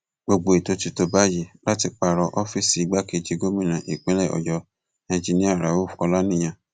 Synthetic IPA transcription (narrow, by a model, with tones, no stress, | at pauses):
ɡ͡bo˧ɡ͡bo˨e˨to˨˧ti˧to˧ba˦je˧˨la˦ti˧k͡pa˧˨ɾɔ˧ʔɔ˦fi˦˨si˨i˦ɡ͡ba˦ke˧˨d͡ʒi˧ɡo˦mĩ˦˨ɾ̃ã˨ʔi˨k͡pẽ˦lɛ˦˨ɔ̰˨jɔ˨˧ | ã˨˧d͡ʒi˧nĩ˦a˦˨ɾa˨˦wo˦˨fɔ˧la˦nĩ˦j̃ã˧